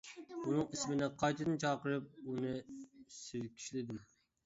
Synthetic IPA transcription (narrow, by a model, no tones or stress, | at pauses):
unɨŋismɪnɪqʰɑjt̪ʰɨd̪ɪnt͡ʃʰɑːqəɾɨp̚unɨsɪɾkʲʰi̥ʃlɪd̪ɪm